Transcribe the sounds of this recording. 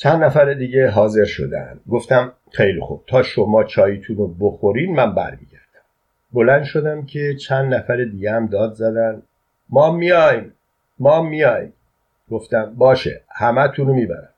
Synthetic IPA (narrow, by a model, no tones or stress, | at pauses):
t͡ʃʰænd̪næfæɾed̪iːɟe̞ɦɒːze̞ɾʃo̞̰d̪æ̰nd̪̥ɡo̞ft̪æm | xe̞jlḭxṵb̥̚t̪ʰɒːʃomɒːt͡ʃʰɒːjit̪ʰunoboxo̞ɾiːnmæmbæ̰ɾmḭːɟæɾd̪̥æ̥m | bo̞lænd̪ʃo̞d̪æmcʰe̞t͡ʃʰænd̪næfæɾed̪iːɟehæmd̪ɒːd̪zæd̪ænd̪ | mɒːmijɒjm | mɒːmːijɒːjim | ɡ̥o̞ft̪æmbɒːʃḛhæmæt̪ʰunomiːbæ̰ɾæm